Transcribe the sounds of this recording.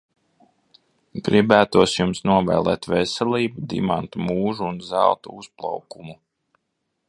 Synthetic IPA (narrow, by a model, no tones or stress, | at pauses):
ɡ̥ɾibæːt̪uɔsjumsnuɔvɛ̰ːlˠɛ̰ːt̪vɛsɛlˠiːbud̪ḭmant̪muːʒuːnzæ̰lˠt̪ṵusplˠa̰wkumu